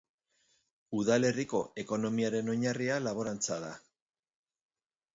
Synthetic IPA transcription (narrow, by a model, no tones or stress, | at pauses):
uðale̞riko̞e̞ko̞no̞miaɾe̞no̞ɲarialaβ̞o̞ɾant͡saða